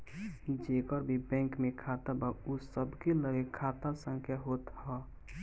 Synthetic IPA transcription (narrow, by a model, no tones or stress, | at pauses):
d͡ʒeːkəɾbʱibɛ̃ŋkmẽkʰat̪abausəbkeləɾekʰaːt̪asə̃ŋkʰjaɦoːt̪hɔ